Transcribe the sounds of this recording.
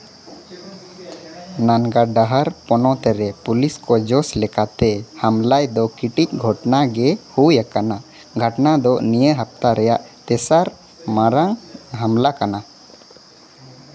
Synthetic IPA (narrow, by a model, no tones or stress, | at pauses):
nanɡaɖaɦaɾpɔnɔt̪ɛɾɛpuliskɔd͡ʒɔslɛkat̪ɛhamlajd̪ɔkiʈic̚ˀɡʱɔʈnaɡɛhujakana | ɡʱəʈnad̪ɔnijəɦap̚t̪aɾɛjaʔt̪ɛsaɾ | maɾaŋɦamlakana